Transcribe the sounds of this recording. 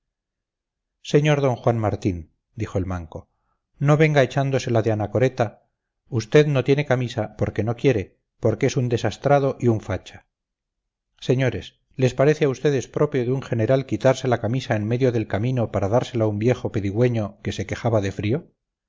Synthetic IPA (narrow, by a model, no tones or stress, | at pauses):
se̞ɲo̞ɾðo̞ŋxwanmaɾt̪in | d̪ixo̞elmaŋko̞ | no̞βe̞ŋɡaet͡ʃand̪o̞se̞laðeanako̞ɾe̞t̪a | ust̪e̞ðno̞t̪je̞ne̞kamisapo̞ɾke̞no̞kje̞ɾe̞ | po̞ɾkeesund̪e̞sast̪ɾað̞o̞ʔiuɱfat͡ʃḁ | se̞ɲo̞ɾe̞s | le̞spaɾe̞θeaust̪e̞ðe̞spɾo̞pjoðeuŋχe̞ne̞ɾalkit̪aɾse̞lakamisaenme̞ðjo̞ðe̞lkamĩno̞paɾaðaɾse̞laumbje̞xo̞peðiɣwe̞ɲo̞ke̞se̞ke̞χaβaðe̞fɾio̞